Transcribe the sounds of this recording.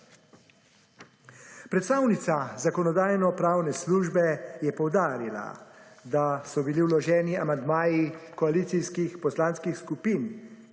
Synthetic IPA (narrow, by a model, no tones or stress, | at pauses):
pɾɛt̪st̪aːwnit̪sazakɔnɔd̪aːjnɔpɾaːwnɛsluːʒbɛjɛpɔwd̪aːɾila̰d̪asɔbiliwlɔʒɛːniamand̪maːjikɔaliːt̪siskixpɔslanskixskupiːn